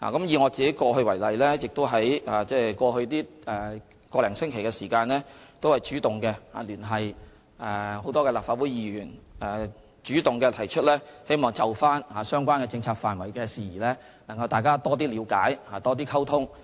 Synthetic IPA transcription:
la̰ː˨˩kɐ˨˦mjiː˨˧ŋɔː˨˧t͡siː˨ke˨˥jkɔː˧ɦɵ˧ɥwɐ˨˩jlɐ˨jlɛː˥jɪ˨k̚t̪o˥wɦɐ˨˥jaː˨t͡sɛː˥˩kɔː˧hɵ˧ɥt̪iː˥ɛː˨˩ | kɔː˧lɛː˨˩ŋsɪ˥ŋkʰe˨˩jkɛː˧siː˨˩kaː˧nlɛː˥t̪o˥whɐ˨jt͡ʃyː˨˥t̪ʊ˨ŋkɛː˧ha̰ː˨lyː˨˩nɦɐ˨j | ɛ˨˧ho˨˥wt̪ɔː˥kɛ˧laː˨p̚faː˧t̚wuː˨˥jiː˨˧jyː˨˩nɛ˨ | t͡ʃyː˨˥t̪ʊ˨ŋkɛː˧t̪ʰɐ˨˩jt͡ʃʰɵ˥t̚lɛː˥he˥jmɔː˨ŋt͡sɐ˨˩wfaː˥nhaː˨sœː˥ŋkʷwaː˥nkɛ˧t͡sɪ˧ŋt͡sʰaː˧k̚faː˨˩nwɐ˨˩jkɛː˧siː˨˧jiː˨˩lɛː˥ | lɐ˨˩ŋkɐ˧wt̪aː˨jkaː˥t̪ɔː˥t̪̬iː˥liː˨˧wkaː˨˥jhaː˨˩t̪ɔː˥t̪̬iː˥kʰɐ˥wt̪ʰʊ˥ŋ

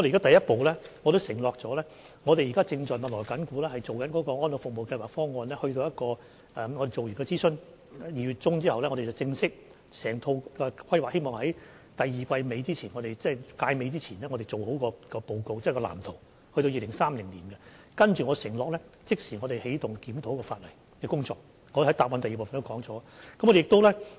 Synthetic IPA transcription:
ɔ˧te˨jaː˥t̪ɐ˨jɐ˥t̚po˨˧wlɛː˥ŋɔ˨˧t̪o˥wsɪ˨˩ŋlɔː˨k̚t͡sɔː˨˥lɛː˥ | ŋɔː˨˧t̪e˨jiː˨kaː˥t͡sɪ˧ŋt͡ʃɔː˨˩jmɐ˨t̚lɔː˨˩jkɐ˨˥nkuː˨˥lɛː˥hɐ˨jt͡so˨wkɐ˨˥nkɔ˨˧˥kɔː˧ŋɔː˥nlʊ˨˩kfʊ˨k̚mo˨wkɐ˧jwaː˨˩kfɔː˥ŋɔː˧nlɛː˥hɵ˧t̪o˧wjɐ˥t̚kɔː˧ | ʔɛː˨ŋɔ˨˧ɾe˨jo˨wjyː˨˩nkɛ˧t͡siː˥sɵ˧n˨ | jiː˨˩jy˨˩t̚t͡sʊ˥ŋt͡siː˥hɐ˨wlɛ˥ŋɔː˨˧e˨˩t͡sɐ˨wt͡sɪ˧ŋsɪ˥k̚ | sɛː˨˩ŋt̪ʰo˧wkɛ˧kʰɐ˥jwaː˨k̚he˥jmɔː˨ŋhɐ˨˥j | t̪ɐ˨jjiː˨kʷɐ˧jme˨˧jt͡siː˥t͡sʰiː˨˩nŋɔː˨˧ɾe˨jt͡sɛː˥˩jkaː˧jme˨˧jt͡siː˥t͡sʰiː˨˩nlɛː˥ŋɔː˨˧e˨jt͡so˨who˨˥wkɔː˧kɔː˧po˨˧wko˧wt͡sɛː˥˨kɔː˧la̰ː˨˩mt̪ʰo˨˩w | hɵ˧to˧wjiː˨lɪ˨˩ŋsaː˥mlɪ˨˩ŋliː˨˩nɡɛ˧ | kɐ˥nt͡ʃyː˨˩ŋɔ˨˧sɪ˨˩ŋlɔː˨˩k̚lɛː˥ | t͡sɪ˥k̚siː˨˩ŋɔː˨˧ɾe˨˩jhe˨˥jt̪ʊ˨ŋkiː˨˥mt̪ʰo˨˥wkɔː˧faː˧t̚lɐ˨˩j | kɛː˧kʊ˥ŋt͡sɔ̰ː˧k̚ | ŋɔː˨˧hɐ˨˥jt̪aː˨p̚wa˨˧nt̪ɐ˨ji˨˩po˨˩fɐ˨nt̪o˥kɔː˨˥ŋt͡sɔː˨˥a˧kɐ˦˥mːɔ˧de˨ɪ˨k̚t̪o˥wlɛː˥

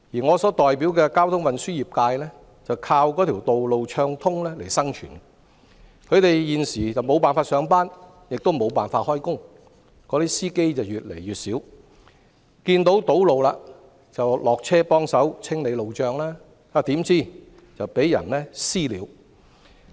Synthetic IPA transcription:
jiː˨˩ŋɔː˨˧sɔː˨˥t̪ɔː˨jpi˨˥wkɛː˧kaː˥wt̪ʰʊ˥ŋwɐ˨nsyː˥jiː˨p̚kaː˧jlɛ˥ | t͡sɐ˨wkʰaː˧wkɔː˨˥t̪ʰi˨˩wt̪o˨wlo˨wt͡ʃʰœː˧ŋt̪ʰʊ˥ŋlɛː˥le˨˩jsɐ˥ŋt͡ʃʰy̰ː˨˩n | kʰɵ˨˧ɥt̪e˨jjiː˨nsiː˨˩t͡sɐ˨wmo˨˧wpaː˨nfaː˧t̚sœː˨˧ŋpaː˥n | jɪ˨k̚t̪o˥wmo˨˧wpaː˨nfaː˧t̚hɔː˥jkʊ˥ŋ | kɔː˨˥t̪iː˥siː˥ke˥jt͡sɐ˨wjyː˨˩t̚lḛ˨˩jyː˨˩t̚siː˨˥w | kiː˧nt̪o˨˥wt̪o˨˥wlo˨wlaː˧ | t͡sɐ˨wlɔː˨k̚t͡sʰɛː˥pɔː˥ŋsɐ˨˥wt͡sʰɪ˥ŋle˨˧jlo˨wt͡ʃœː˨˧ŋlaː˥ | aː˨˧t̪iː˨˥mt͡siː˥ | t͡sɐ˨wpe˨˥jjɐ̰˨˩nlɛː˥siː˥liː˨˧˥w

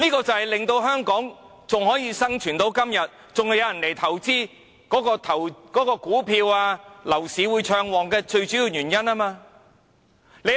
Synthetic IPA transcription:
niː˥kɔː˧t͡sɐ˨whɐ˨jlɪ˨ŋt̪o˧wɦœː˥ŋkɔː˨˥ŋ | t͡sʊ˨ŋhɔː˨˥jiː˨˧sɐ˥ŋt͡ʃʰyː˨˩nt̪o˨˥wkɐ˥mjɐ˨t̚ | t͡sʊ˨ŋhɐ˨˧wjɐ˨˧wjɐ˨˩nle˨˩jt̪ʰɐ˨˩wt͡siː˥ | kɔː˨˥kɔː˧t̪ʰɐ˨˩wkɔː˨˥kɔː˧kuː˨˥pʰiː˧waː˧lɐ˨˩wsiː˨˥wuː˨˧jt͡ʃʰœː˧ŋwɔː˨ŋkɛː˧t͡ʃɵ˧ɥt͡syː˨˥jiː˨˧wjyː˨˩njɐ˥naː˥maː˧ | le˨˧

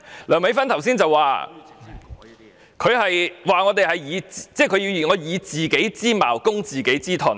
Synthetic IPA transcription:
lœː˨˩ŋme˨˥fɐ˥nt̪ʰɐ˨˩wsiː˥nt͡sɐ˨waː˨ | kʰɵ˨˧ɥhɐ˨jwaː˨ŋɔː˨˧t̪e˨jhɐ˨jiː˨˧t͡sːt͡sɛː˥˩kʰɵ˧jiː˧wŋɔː˨˧jiː˨˧t͡siː˨ke˨˥jt͡siː˥ma̰ː˨˩wkʊ˥ŋt͡siː˨ke˨˥jt͡siː˥t̪ʰɔ̰ː˨˩

